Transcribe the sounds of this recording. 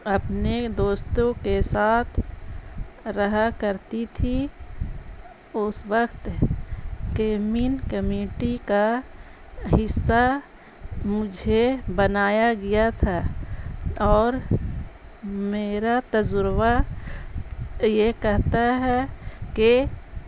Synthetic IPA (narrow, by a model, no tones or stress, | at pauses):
əpned̪oːst̪õkesaːt̪ʰ | ɾəɦakəɾt̪it̪ʰi | ʊswəkt̪ | keːminkəmeːʈika | ɦɪsːa | mʊd͡ʒʱebənaːjaɡɪjat̪ʰa | ɔːɾ | meːɾat̪əzʊɾwa | jekɛɦt̪aɦɛke